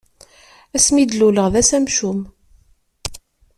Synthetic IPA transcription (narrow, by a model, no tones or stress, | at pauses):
æsmid̪luləʁðæsæmʃum